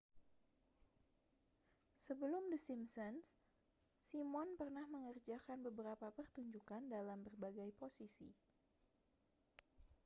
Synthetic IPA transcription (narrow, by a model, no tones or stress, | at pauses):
səbəlʊmdəsimsəns | simɔnpərnahməŋərd͡ʒakanbəbəɾapapərt̪uɲd͡ʒukandalambərbaɡajposisḭ